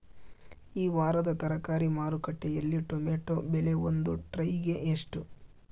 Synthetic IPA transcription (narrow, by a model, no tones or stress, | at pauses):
iːʋaːɾɐd̪ɐt̪ɐɾɐkaːɾimaːɾukɐʈːejɐlːiʈomeːʈobele̞ond̪uʈɾɐjɡe̞ʔeʂʈu